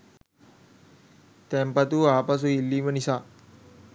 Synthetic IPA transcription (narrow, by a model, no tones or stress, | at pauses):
t̪ɛmpat̪uaːpas̬uilːiːmənisa